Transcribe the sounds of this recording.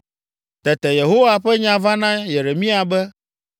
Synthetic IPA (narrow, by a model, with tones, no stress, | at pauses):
t̪ɛ˨t̪ɛ˨je˨ɦo˦wa˨ɸɛ˦ɲã˨va˦nã˦je˨ɾe˨mĩ˦a˨bɛ˦